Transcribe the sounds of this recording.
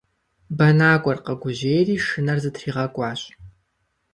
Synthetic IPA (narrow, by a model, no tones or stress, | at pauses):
bɐnaːkʷʼɔrqəɡʷʊʑeːjriːʂɨnɐrzɨtʰriːʁɐkʷʼɑːɕʼ